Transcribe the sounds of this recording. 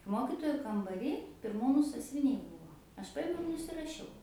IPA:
ˈmoːkʲɪtoːjʊ kɐmbɐˈrʲiː pʲɪrˈmuːnʊ sɐsʲʋʲɪˈnʲɛɪ ˈbʊʋoː ɐʃ ˈpɑːjɪmʲɛʊ ɪr nʊsʲɪrɐˈʃʲɛʊ

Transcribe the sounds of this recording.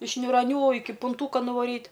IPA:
ɪʃ nʲʊrɐˈnʲuː ˈɪkʲɪ pʊnˈtuːkɐ nʊˈʋɑːrʲiːt

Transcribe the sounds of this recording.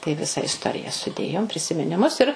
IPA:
tɐɪ ˈʋʲɪsɐ ɪsˈtoːrʲɪjɛ sʊˈdʲeːjoːm pʲrʲɪsʲɪmʲɪnʲɪˈmʊs ɪr

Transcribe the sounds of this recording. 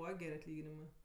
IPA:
ˈbuːʋɐ ˈɡʲɛrʲ ɐtʲˈlʲiːɡʲɪnʲɪmɜ

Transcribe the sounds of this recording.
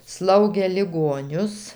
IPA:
ˈslˠɐʊɡʲeː lʲɪˈɡoːnʲʊs

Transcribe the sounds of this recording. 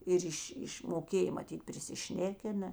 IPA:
ˈɪr ɪʃʲ ˈɪʃʲ moːˈkʲeːj mɐˈtʲiːt pʲrʲɪsʲɪˈʃʲnʲæːkʲɪnɐ

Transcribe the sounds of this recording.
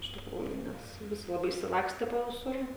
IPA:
ɪʃ tʲɪkˈruːjʊ ˈnʲɛs ˈʋʲɪsʲɪ lˠɐˈbɐɪ ɪʃʲsʲɪˈlˠɑːksʲtʲɛ poː ʋʲɪˈsʊr

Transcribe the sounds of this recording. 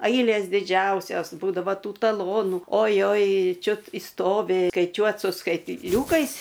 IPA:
ˈɐɪlʲeːs dʲɪˈd͡ʒʲɛʊsʲoːs ˈbuːdɐʋɐ ˈtuː tɐˈlˠoːnʊ oːˈjoːj ˈt͡ʃʲʊt ɪʃˈstoːʋʲɪ skɐɪˈt͡ʃʲuɔt sʊ skɐɪtʲˈlʲuːkɐɪs

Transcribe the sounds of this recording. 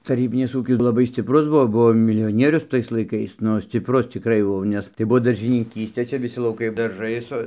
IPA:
tɐˈrʲiːbʲɪnʲɪs ˈuːkʲɪs lˠɐˈbɐɪ sʲt͡sʲɪpˈrʊs ˈbuɔ ˈbuɔ mʲɪlʲɪjoːˈnʲiɛrʲʊs ˈtɐɪs lˠɐɪˈkɐɪs ˈnʊ sʲt͡sʲɪpˈrʊs t͡sʲɪkˈrɐɪ jɛʊ ˈnʲɛs tɐɪ ˈbʊʋoː dɐrʲʒʲɪnʲɪˈkʲiːsʲtʲeː ˈt͡ʃʲɛ ʋʲɪˈsʲɪ lˠɐʊˈkɐɪ dɐrˈʒɐɪ sʊ

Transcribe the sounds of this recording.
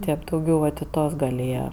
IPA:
ˈtʲeːp dɐʊˈɡʲɛʊ ʋɐt ɪ ˈtuɔs ɡɐlʲ ˈeːjɛ

